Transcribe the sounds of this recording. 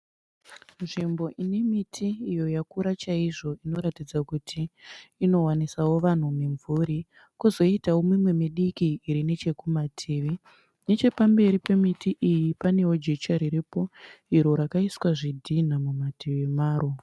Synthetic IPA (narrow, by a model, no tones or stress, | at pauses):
nʐimbo̞ʔine̞mitʰiːjo̞jakuɾat͡ʃaiʐo̞ino̞ɾatid͡zakutʰiːno̞wanisawo̞ʋan̤umiɱvuɾi | kuzo̞itawo̞mimwe̞miɗikiːɾine̞t͡ʃe̞kumatʰeːʋe | ne̞t͡ʃe̞pambe̞ɾipemitiʔijipane̞wo̞d͡ʒe̞t͡ʃaɾiɾipo̞iɾo̞ɾakaiswaʐidʱin̤amumatʰeʋemaːro